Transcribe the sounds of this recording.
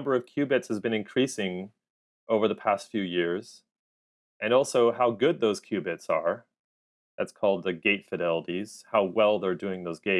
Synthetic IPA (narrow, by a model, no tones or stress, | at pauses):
mbə˞ʌv̥kʰj̥ʉbɨtshɨzbɨ̃ñɨ̃nkʰɹ̥isɪ̃ŋ | ʔoʊvə˞ðəpʰæstfjʉjɪɹz̥ | ʔɨ̃nɔlˠsoʊhaʊɡʊd̪̚ðoʊz̥kʰj̥ʉbɨtsə˞ | ðæ̰tskʰɔlˠd̪̚ðɨɡeɪtfɨɾɛlˠəɾiz̥haʊwɛlˠðə˞dʉɪ̃ŋðoʊzɡeɪ